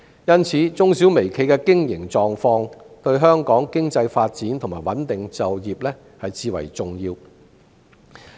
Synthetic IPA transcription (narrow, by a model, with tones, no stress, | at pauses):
jɐ˥nt͡sʰiː˨˥t͡sʊ˥ŋsiː˨˥wme˨˩jkʰe˨˧˥jkɛ˧kɪ˥ŋjɪ˨˩ŋt͡sɔː˨ŋfɔː˧ŋt̪ɵ˧ɥɦœː˥ŋkɔː˨˥ŋkɪ˥ŋt͡sɐ˧jfaː˧t̚t͡siː˨˥nt̪ʰʊ˨˩ŋmaː˨˩jwɐ˨˥nt̪ɪ˨ŋt͡sɐ˨wjiː˨p̚lɛː˥ | hɐ˨jt͡siː˨˧wɐ̰˨˩jt͡sʊ˨ŋjiː˧w